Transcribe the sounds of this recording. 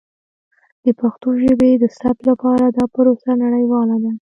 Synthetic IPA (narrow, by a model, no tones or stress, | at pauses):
d̪̥əpaxt̪oʒəbed̪əsaplapɑɾad̪ɑpəɾosanaɽəjwɑlad̪a